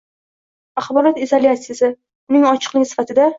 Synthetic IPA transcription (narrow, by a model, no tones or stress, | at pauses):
aχbɒɾɒt̪izolʲjat̪sɪjasɪ | ʊnɪŋɒt͡ʃʰɨ̥qlˠɪɡʲɪsɪ̥fat̪ʰɪd̪a